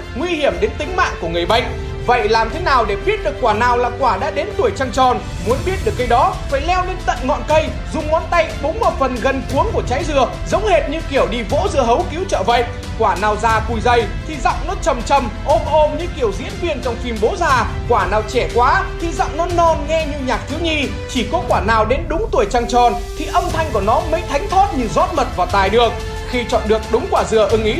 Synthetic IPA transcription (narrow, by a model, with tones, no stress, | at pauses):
ŋwi˧hi˧˩əmɗe˨˦nt̪ï˨˦ŋ̟ma̰ː˧˨ŋku˧˩əŋɨ˨˩əjɓə̰˧˨jŋ̟̚ | və̰˧˨jʔlaː˨˩mt̪ʰe˨˦naː˨˩wɗe˧˩ɓi˦˥ət̚ɗɨ˨˩əkːwaː˧˩naː˨˩wlaː˨˩kwaː˧˩ɗa̰ː˧˥ɗe˨˦nt̪u˧˩əjt͡ɕa˧ŋt͡ɕɔ˨˩n | mu˨˦ənɓi˦˥ət̚ɗɨ˨˩əkːə˧jɗɔ˨˦faː˧˩jlɛ˧wɗe˨˦nt̪ə̰˧˨nŋɔ̰˧˨nkə˧j | zʊ˨˩ŋ͡mŋɔ˧˥nt̪a˧jɓʊ˨˦ŋ͡mmo˨˩fə˨˩nɣə˧nku˨˦əŋku˧˩ət͡ɕa˨˦jzɨ˧ə | zə̰˧˥wŋ͡mhe˧˩t̚ɲɨ̰˧˥ŋki˧˩əwɗi˧vo̰˧˥zɨ̰˧əɦə˨˦wki˨˦wt͡ɕə̰ː˧˨və̰˧˨jʔ | kwaː˧˩naː˨˩wzaː˨˧˩ku˨˩jzə˧˩jt̪ʰi˨˩zɔ̰˧˨wŋ͡mnɔ˨˦t͡ɕə˨˩mt͡ɕə˨˩mʔo˨˦˥p̚ʔo˧mɲɨ̰˧˥ki˧˩əwzḭ˧˥ənvi˧ənt͡ɕɔ˧wŋ͡mfi˧˩mɓo˨˦zaː˧˩kwaː˧˩naː˨˩wt͡ɕɛ˧˩kwaː˨˦t̪ʰi˨˩zɔ̰˧˨wŋ͡mnɔ˨˦nɔ˧nŋɛ˧ɲɨ˧ɲaː˨˩k̚t̪ʰi˨˦wɲi˧ | t͡ɕi˧˩kɔ˨˦kwaː˧˩naː˨˩wɗe˨˦nɗʊ˨˦ŋ͡mt̪u˨˩əjt͡ɕaː˧ŋt͡ɕɔ˨˩n | t̪ʰi˨˩ʔə˧wŋ͡mt̪ʰa˧jŋ̟ku˧˩ənɔ˨˦mə̰˨˦jt̪ʰa˨˦jŋ̟t̪ʰɔ˦˥t̚ɲɨ˧˩zɔ˦˥t̚mə˨˩t̚vaː˨˩wt̪aː˨˩jɗɨ˨˩ək̚ | xi˧t͡ɕɔ̰˧˨nɗɨ˨˩ək̚ɗʊ˨˦ŋ͡mkwaː˧˩zɨ˨˩əʔɨ˧˩ŋʔi˨˦